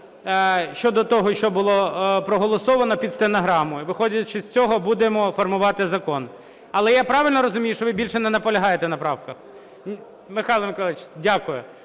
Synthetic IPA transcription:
ʃt͡ʃɔd̪ɔt̪ɔɦɔʃt͡ʃɔbʊlˠɔpɾɔɦɔlˠɔsɔʋɐnɔpʲid̪st̪enɐɦɾɑmʊʋɪxɔdʲɐt͡ʃɪsʲt͡sʲɔɦɔbud̪emɔfɔrmʊʋɑt̪ɪzɐkɔn | ɐlˠɛjapɾɑʋɪlʲnɔɾɔzʊmʲijʊʃt͡ʃɔʋɪbʲilʲʃɛnɛnɐpɔlʲɐɦɑjet̪ɛnɐpɾɑwkɐx | mɪxɑjlˠɔmɪkɔlˠɪt͡ʃdʲakʊjʊ

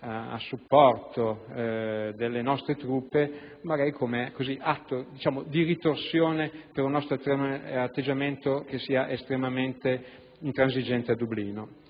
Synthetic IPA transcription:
aa̰sːupːɔrt̪o | d̪elːenɔst̪ɾet̪ɾupːe | maɡaɾikʰomekoziʔat̪ːod̪it͡ʃaːmod̪iɾit̪orsjoːnepeɾunːɔst̪ɾoaat̪ːed͡ʒament̪okesiːaʔest̪ɾemament̪e | int̪ɾanzid͡ʒɛnt̪ead̪ubliːno

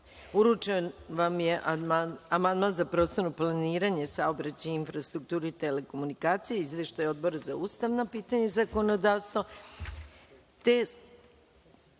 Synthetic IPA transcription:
uɾut͡ʃenʋamjeʔamand̪manzapɾo̞t̪st̪o̞ɾuplˠaniːɾaɲe̞sao̞bɾat͡ɕainfɾast̪ɾuk̚t̪uːɾiit̪ele̞ko̞munikaːt̪sijeizʋe̞ʃt̪ajo̞d̪̚bo̞ɾazauːst̪aʋnopiːt̪aɲezako̞no̞d̪aːʋst̪ʋo | t̪e

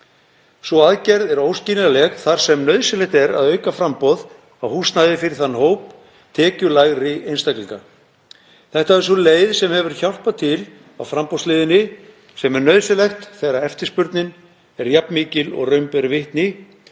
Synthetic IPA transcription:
svɔaðcɛɾðɛɾoːwsciːnɪðalɛɣθaɾ̥sɛmnœɥðsɪlɛht̪ɛɾa̰ðœːɥkafɾampɔð | awhust̪najðɪfɪɾɪɾ̥θanːhoːwp | t̪ʰɛːcʏlaɣɾɪejnst̪akliŋka | θɛht̪aɛɾ̥s̬ɔleːjðsɛmhɛvʏɾ̥çawl̥pat̪ʰɪl | a̰wfɾampɔslɪːðɪnɪ | sɛmɛɾnœɥðsɪlɛxt̪θɛɾaɛft̪ɪ̥spʏɾt̪nɪn | ɛɾjapnmiːcɪlɔ̰ɣrœɥmpɛɾvɪht̪nɪ

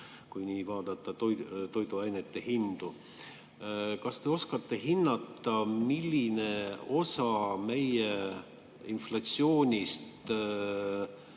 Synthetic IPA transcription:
kujniːvɑːd̪ɑt̪ːˑɑt̪ojt̪o̞jd̪uɑjnet̪ːe̞hind̪̥u | kɑst̪e̞o̞skɑt̪ːe̞ɦinːɑt̪ːˑɑmilʲːine̞o̞sɑme̞je | inflɑt̪sio̞ːnʲist̪

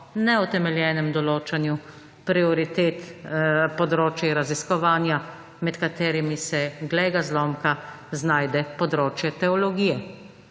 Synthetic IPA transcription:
nɛɔt̪ɛmɛljɛːnɛmd̪ɔloːt͡ʃanju | pɾiɔɾit̪eːt̪pɔd̪ɾoːt͡ʃjɛɾaziskɔʋaːnja | mɛt̪kat̪eːɾimisɛɡlɛɡazlɔːmka | znaːjd̪ɛpɔd̪ɾoːt͡ʃjɛt̪ɛɔlɔɡiːjɛ

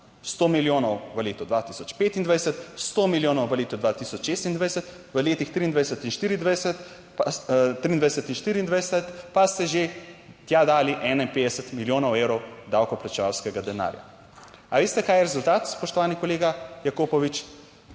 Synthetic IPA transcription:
st̪oːmiljoːnɔwʋəleːt̪ɔd̪ʋat̪i̥sɔt͡ʃpeːt̪ind̪ʋajsɛt̪st̪omiljoːnɔwʋəleːt̪ɔd̪ʋat̪isɔt͡ʃʃest̪ind̪ʋajsɛt̪ | ʋəleːt̪ixt̪ɾiːnd̪ʋajɛsɛt̪inʃt̪iːɾiːnd̪ʋajsɛt̪ | pat̪ɾiːnd̪ʋajɛsɛt̪inʃt̪iːɾiːnd̪ʋajsɛt̪past̪ɛʒet̪jad̪aːliʔɛːnainpeːd̪ɛsət̪miljoːnɔwewɾɔwd̪awkɔplat͡ʃɛʋawskɛɡad̪ɛna̰ːɾja̰ | aʋeːst̪ɛkaːjɛɾɛzult̪aːt̪spɔʃt̪ɔʋaːnikɔleːɡajakoːpɔʋit͡ʃ

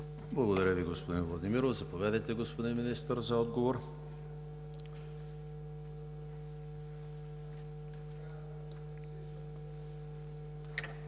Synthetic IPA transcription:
blˠɐɡod̪ɐɾʲəviɡospod̪invlˠɐd̪imiɾovzɐpovɛd̪ɛjt̪ɛɡospod̪inminist̪əɾzɐɔd̪ɡovoɾ

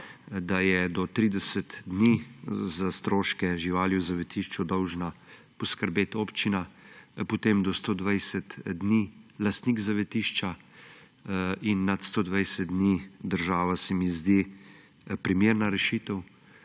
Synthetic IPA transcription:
d̪ajɛd̪ɔt̪ɾiːd̪ɛsət̪d̪nizast̪ɾoːʃkɛʒiʋaːljɛwzaʋɛt̪iʃt͡ʃud̪ɔwʒna | pɔskəɾbeːt̪oːpt͡ʃinapɔt̪emd̪ɔst̪oːd̪ʋajsɛt̪d̪nilast̪niɡzaʋɛt̪iːʃt͡ʃa | inːat̪st̪oːd̪ʋajsɛt̪̚d̪nid̪əɾʒaːʋasɛmizd̪i | pɾimeːɾnaɾɛʃit̪ɛw

